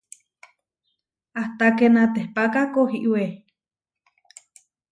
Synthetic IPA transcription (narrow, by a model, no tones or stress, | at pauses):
aht̪akenat̪ehpakakohiʔwe